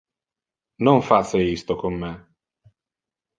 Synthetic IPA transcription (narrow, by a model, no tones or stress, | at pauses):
noɱfat̪sːeist̪okomːe